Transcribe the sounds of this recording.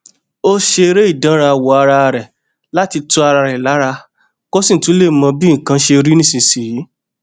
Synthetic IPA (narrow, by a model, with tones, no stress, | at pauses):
o˦ʃe˧ɾe˦i˦˨dã˨˦ɾa˧˨wɔ˨˦a˧ɾa˧ɾɛ˨ | la˨˦ti˧tu˧˦a˧ɾa˧ɾɛ˨la˨˦ɾa˧ | kɔ˦sĩ˦˨tũ˨˦le˦˨mã˧bi˦ŋ̩˨kã˧˦ʃe˧ɾi˦nĩ˦sĩ˧si˨i˨˦